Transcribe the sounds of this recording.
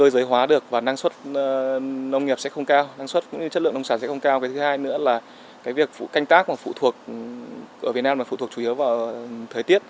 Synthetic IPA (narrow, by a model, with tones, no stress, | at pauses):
kəː˧jzəː˨˦jɦwaː˨˦ɗɨ˨˩ək̚vaː˨˩naː˧ŋswə˦˥t̚nə˧wŋ͡mŋi˨˩p̚sɛ̰˧˥xə˧wŋ͡mkaː˧wna˧ŋswə˦˥t̚kʊ̰˧˥ŋ͡mɲɨ˧t͡ɕə˦˥t̚lɨ̰˧ə˨ŋ˧ə˧ŋ͡msaː˧˩sɛ̰˧˥xə˧wŋ͡mkaː˧wkaː˨˦jt̪ʰɨ˨˦haː˧jnɨ̰˧˥əlaː˨˩ | kaː˨˦jvi˨˩ək̚fṵ˧˨ka˧jŋ̟t̪aː˦˥k̚maː˨˩fṵ˧˨t̪ʰu˨˩ək̚ | ʔəː˧˩v̚naː˧maː˨˩fṵ˧˨t̪ʰkt͡ɕu˧˩˨i˨˦əwvaː˨˩wʔt̪ʰəː˨˩jt̪i˦˥ət̚